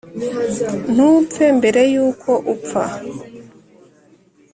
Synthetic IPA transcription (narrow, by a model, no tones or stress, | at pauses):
n̥uːp̪fembe̞ɾe̞juːkʰo̞ʔupfa̰